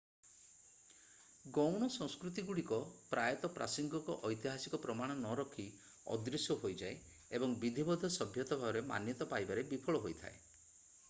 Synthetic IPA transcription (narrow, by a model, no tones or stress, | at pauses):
ɡɔwɽ̃ɔsɔŋskɾut̪iɡuɽikɔpɾajɔt̪ɔpɾʔa̰siŋɡɔkɔʔɔjt̪iɦasikɔpɾɔmaɽ̃ɔnɔɾɔkʰi | ɔ̰d̪ɾisjɔɦojd͡ʒae | ebɔŋbid̪ʱibɔd̪ʱɔsɔbʱjɔt̪ɔbʱabɔɾema̰njɔt̪ɔpajbaɾebipʰɔɭɔɦojt̪ʰa̰e